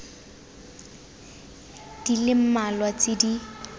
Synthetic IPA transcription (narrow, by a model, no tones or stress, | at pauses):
d̥ilɪm̩malwat͡sɪdi